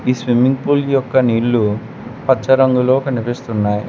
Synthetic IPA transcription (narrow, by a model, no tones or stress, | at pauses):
iːsʋimiŋɡpuːljɔkːɐniːɭːu | pɐt͡ʃːɐɾɐŋɡuloːkɐnipest̪unːaːji